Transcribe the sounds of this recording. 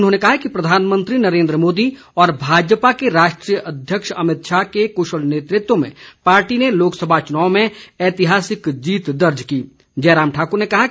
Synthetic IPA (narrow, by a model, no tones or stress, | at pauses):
ʊnɦõːnekɐɦakipɾɐd̪ʱaːnmə̃nt̪ɾinɐɾẽːnd̪ɾəmoːd̪i | ɔːɾbʱaːd͡ʒpakeɾaːʃʈɾiːjəʔɐd̪ʱjəkʃɐmɪt̪ʃakekoːʃəlneːt̪ɾɪt̪womḛ̃paːɾʈineloːksɐbʱat͡ʃʊnaːomẽɛːt̪ɪɦaːsɪkd͡ʒiːt̪d̪ɐɾd͡ʒkiː | d͡ʒɛːɾaːmʈʰaːkʊɾnekɐɦa